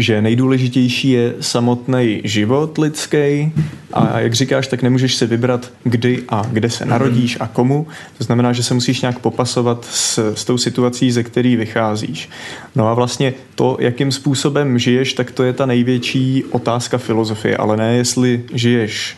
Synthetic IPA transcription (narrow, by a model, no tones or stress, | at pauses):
ʒɛnɛjduːlɛʒɪcɛjʃiːjɛsamo̞t̪nɛjʒɪvo̞t̪lɪt͡skɛjʔa̰ja̰ɡr̝ɪkaːʃt̪aknɛmuːʒɛʃsɪvɪbɾat̪ | ɡdɪʔaɡdɛsɛ̰naɾo̞ɟiːʃako̞mut̪oznamɛnaːʒɛsɛmusiːʃɲaːkpo̞paso̞vat̪sst̪o̞wsɪt̪uat͡siːzɛkt̪ɛɾiːvɪxaːzḭːʃno̞avlast̪ɲɛt̪o̞jʔakɪmspuːso̞bɛmʒɪjɛʃt̪akt̪o̞jɛt̪anɛjvjɛt͡ʃiːʔo̞t̪aːskafɪlo̞zo̞fɪ̰jɛ̰ʔa̰lɛnɛːjɛst̪lɪʒɪjɛʃ